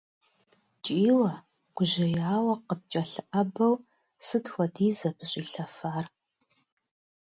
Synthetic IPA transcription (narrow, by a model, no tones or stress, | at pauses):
t͡ʃʼiːwɐ | ɡ̥ʷʊʑɪjaːwɐqəd̚t͡ʃʼɐɬɨʔɐbɐw | sɨtxʷɐdiːzɐpʰɨɕʼiːɬɐfaːr